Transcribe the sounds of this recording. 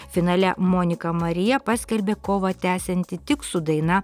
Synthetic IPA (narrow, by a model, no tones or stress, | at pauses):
fʲɪnɑːlʲɛmoːnʲɪkɐmɐɾʲɪjɛpɑsʲkʲɛlʲbʲeːkoːʋɐt̪ʲæːsʲɛnʲt̪ʲɪt̪ʲɪksud̪ɐɪnɐ